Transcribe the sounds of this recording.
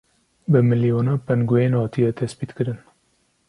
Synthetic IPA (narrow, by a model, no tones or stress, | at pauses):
bɨmɨlijonɑpɛnɡujenhɑːt̪ʰijɛt̪ʰɛspiːt̪kɨɾɨn